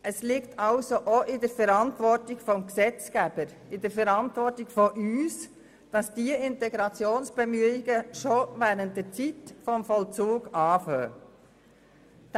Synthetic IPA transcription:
ʔəslɪktʰɑlsoʔoʔɪdəɾfɛɾɑntʋɔɾtɪɡfɔmksɛt͡skæb̥əɾ | ɪd̥əɾfɛɾɑntʋɔɾtɪɡfɔʔyːs | d̥ɑsd̥iəɪntɛɡɾɑt͡sjoːnsb̥emyɪɡəʃovæːɾənt̚dət͡sitfɔmfɔlt͡suːɡɑːfœː

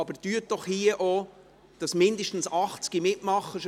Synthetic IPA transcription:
ɑbəɾd̥yət̚d̥ɔχhiəʔo | d̥ɑsmɪnd̪əʃtn̩sɑχt͡sɡ̥imɪtmɑχːəʃ

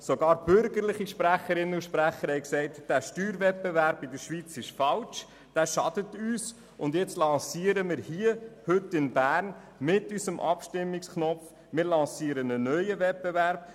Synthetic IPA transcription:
soɡɑːɾb̥ʏɾɡəɾlɪχiʃpɾæχəɾɪnəuʃpɾæχəɾhɛɪksɛɪtd̥æːʃtyːɾvɛt̚bevæɾb̥ɪdəɾʃʋit͡sɪʃfɑlt͡ʃ | d̥æːʃɑd̥ətyːs | ʊndjɛt͡stlɑsiːəɾəmɪːɾhiəhɵtːɪnbæːɾn | mɪtysəmʔɑ̰pʃtɪmːɪksknɔf | mɪːɾlɑsiːəɾənənœʏəvɛt̚b̥evæɾb

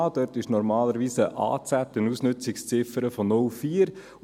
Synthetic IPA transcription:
d̥œɾtɪʃnɔɾmɑːləɾʋiːsəʔɑ̰ːt͡sætːɪnusnʏt͡sɪkst͡sɪfəɾəfɔnʊlfiːəɾ

